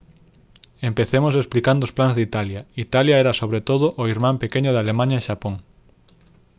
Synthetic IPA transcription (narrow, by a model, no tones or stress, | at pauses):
empeθemʊs̬esplikand̪oʊsplanzðit̪aljɐit̪aljaɛɾɐsoβɾet̪oðʊʔoiɾmãmpekeɲʊðalemaɲaeʃapoŋ